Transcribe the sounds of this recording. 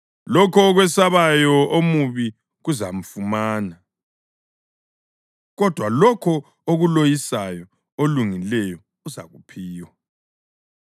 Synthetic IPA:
lɔkʰɔɣwɛsaβajɔomuβi | ɣuzam̩fumaːna | ɣɔd̥ʱwalɔkʰɔ | oɣulojisajɔ | oluŋilɛjɔ | uza̰ɣupʰiːwa

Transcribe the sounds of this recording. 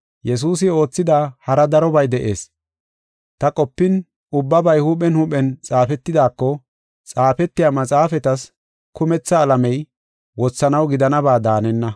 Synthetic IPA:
jɛs̬uːs̬ɪo̞ːt͡sːɪd̪aːhɐɾɐd̪ɐɾɔbɐjd̪ɛʔe̞ːs | t̪ɐkʼɔpːɪn | ʊbːɐbɐjhupɛnhupɛnt͡sʼaːfɛt̪ːɪd̪aːkːɔ | t͡sʼaːfɛt̪ːɪjaːmɐt͡sʼaːfɛt̪ɐs | kʊmɛt͡sːɐːlɐmɛj | wɔt͡sːɐnɐwɡɪd̪ɐnɐbaːd̪aːnɛnːɐ

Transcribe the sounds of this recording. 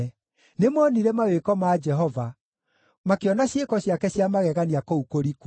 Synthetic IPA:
nemɔniɾɛmawekɔmad͡ʒɛɦɔva | makeɔnaɕjekɔɕjakɛɕjamaɣɛɣaniakoukoɾik

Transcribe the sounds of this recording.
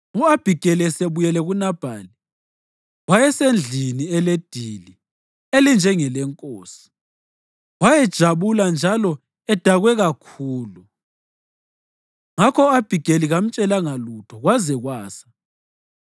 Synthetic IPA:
uab̥ʱiɡ̥ʱɛlɛseβujɛlɛɣunab̥ʱa̰ːli | wajɛsend͡ɮʱiniɛled̥ʱili | elind͡ʒʱɛŋɛlɛŋkʼoːsi̥ | wajɛd̥ʒ̥ʱaβuland͡ʒʱalɔ | ɛd̥ʱaɣwɛɣakʰuːlu | ŋakʰɔab̥ʱiɡ̥ʱeliɣam̩t͡ʃʼɛlaŋalutʰɔɣwazɛɣwaːsḁ

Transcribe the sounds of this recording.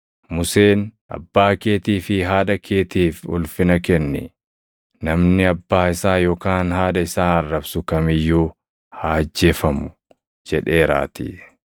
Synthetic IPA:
mʊse̞ːnʔɐ̰bːaːke̞ːt̪iːfɪɦaːᶑɐkʰeːt̪iːfʊ̰lfɪnɐkɛnːɛ̰ | nɐmnɪɐbːaːɪsaːjoːkaːnhaːdɐɪsaːɐrːɐbsʊkɐmɪjːuː | haːd͡ʒːeːfɐmʊ̥ | d͡ʒɛᶑe̞ːɾa̰ːt̪ḭ

